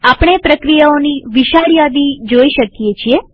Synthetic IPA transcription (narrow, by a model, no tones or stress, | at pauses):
apɽ̃epɾəkɾijaoniʋiʃaɽjad̪id͡ʒoiʃəkjet͡ʃʰie